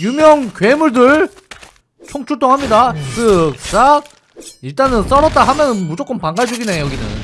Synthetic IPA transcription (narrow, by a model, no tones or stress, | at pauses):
jumjʌŋkɥe̞muɭdɯɭ | t͡ɕʰoŋt͡ɕʰuɭt͈oŋɦhamɲidasʰɯk̚s͈aɡ̚ | iɭt͈anɯns͈ʌɾʌt̚t͈aɦamjʌnɯnmud͡ʑok͈ɯmpaŋɡaɭd͡ʑoɡinejʌɡinɯ̰n